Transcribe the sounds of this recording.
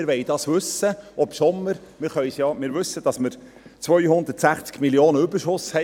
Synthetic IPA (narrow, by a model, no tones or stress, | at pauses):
ɪɾʋɛɪd̥ɑːsʋʉsəɔpʃɔmːəɾmɪɾχœʏsjɑmɪːɾʋʉsːəd̥ɑsməɾ | t͡sʋœʏhʊnd̪ətsæχt͡skmiljoːnəybəɾʃʊshɛ